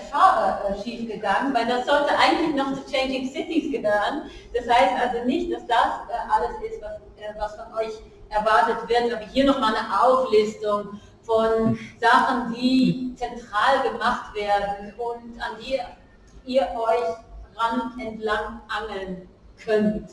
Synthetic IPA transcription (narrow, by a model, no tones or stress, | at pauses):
faːʁɐʔɛʃiːfɡ̥əɡaŋənvaɪldasz̥ɔltəʔaɪɡŋ̩tlɪçnɔχt͡sut͡ʃɛɪnd͡ʒɪŋsɪtɪsɡ̥əvøənd̥ashaɪstʔalzonɪçt̚d̥asd̥asɛʔaləsɪstv̥as | ɛvasfɔnʔɔʏç | ʔɛɐvaɐtətv̥ɪɐtʔaːbɐhiːɐnɔχmaːlnəʔaʊflɪstʊŋ | fɔnzaχn̩diːt͡sɛntʁ̥aːlɡəmaχtv̥eːɐdn̩ʊntandiː | iːɐʔɔʏçʁantɛntlaŋʔaŋl̩n | kʰœnt